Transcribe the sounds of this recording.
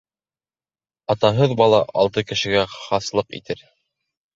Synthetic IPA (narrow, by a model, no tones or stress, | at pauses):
ɑt̪ɑɦɤðbɑlˠɑʔɑlˠt̪ɤkɘ̆ʃɘ̆ɡæχɑslˠɤqḭt̪ɘɾ